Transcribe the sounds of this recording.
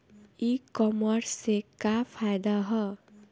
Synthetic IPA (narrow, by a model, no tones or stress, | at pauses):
ikɔmɔɾsekapʰajd̪aɦɔ